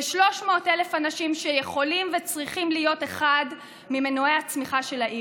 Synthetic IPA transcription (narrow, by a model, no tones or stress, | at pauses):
eʃlo̞ʃmootelefanaʃimʃejeχo̞limvet͡sʁiχimlijo̞teχad | mime̞noehat͡smiχaʃe̞laʔi